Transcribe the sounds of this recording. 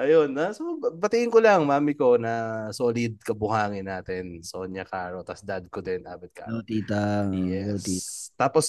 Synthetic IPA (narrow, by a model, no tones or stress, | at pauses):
ʔɐjonːɐsobɐt̪ɪʔɪnkolɐŋmaːmɪko̞nɐsoːlɪd̪̚kɐbʊhaːŋɪnaːt̪ɛnsoɲɐkaɾot̪ɐsd̪ɐd̪̚kod̪ɛnʔa̰ːbɐt̪̚kɐ̰ot̪iːt̪ɐjɛt̪iːt̪aːpos